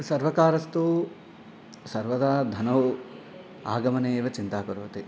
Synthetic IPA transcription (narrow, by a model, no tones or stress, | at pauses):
sɐɾʋɐkaːɾɐst̪u | sɐɾʋɐd̪ɐd̪ʱɐnɐː | a̰ːɡɐmɐneːʋɐt͡ʃint̪aːkɐɾuʋɐt̪e